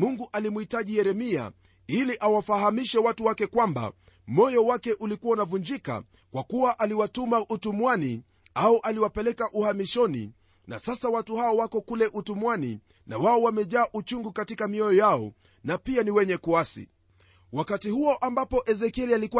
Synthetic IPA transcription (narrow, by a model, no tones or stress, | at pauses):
muŋɡuʔalimuhitaʄijɛɾɛmia̰ | iliʔawafaɦamiʃɛwatuwakɛkwamba̰ | mɔjɔwakɛʔulikuwaunavuɲd͡ʒika̰ | kwakuwaʔaliwatumaʔutumwani | auʔaliwapɛlɛkaʔuhamiʃɔnḭ | na̰sasawatuhaɔwakɔkulɛʔutumwani | na̰waɔwamɛʄaːʔut͡ʃuŋɡukatikamiɔjɔjaɔ | napianiwɛɲɛkuasḭ | wakatihuɔʔambapɔʔɛzɛkɛlialiku